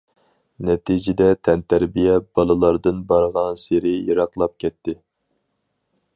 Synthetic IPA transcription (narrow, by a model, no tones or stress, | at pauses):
nɛt̪ʰid͡ʒɪd̪ɛt̪ʰɛnt̪ʰæɾbijɛb̥ɑlˠɨlˠɑɾd̪ɨnbɑɾʁɑnseɾɪjɑɾɑqlˠɑp̚kʲʰɛt̪ʰːɪ